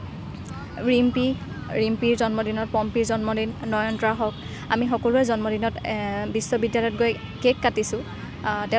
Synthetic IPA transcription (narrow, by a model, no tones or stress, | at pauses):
ɹimpi | ɹimpiɹzɔnmɔdinɔt̚pɔmpiɹzɔnmɔdinːɔjɔndɹaɦɔk | amixɔkɔluɛzɔnmɔdinɔtbisːɔbidjalɔjɔt̚ɡoj | kekːatisʊ̃ | tɛ